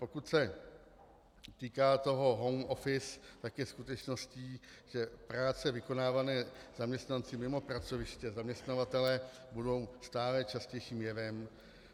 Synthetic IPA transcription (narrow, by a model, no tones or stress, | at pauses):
po̞kut̪sɛ | t̪iːkaːt̪o̞ɦo̞ɦo̞wmofɪst̪akjɛskut̪ɛt͡ʃno̞sciːʒɛpɾaːt͡sɛvɪko̞naːvanɛːzamɲɛst̪nant͡sɪmɪmo̞pɾat͡so̞vɪʃcɛzamɲɛst̪navat̪ɛlɛː | budo̞wst̪aːlɛt͡ʃascɛjʃiːmjɛvɛm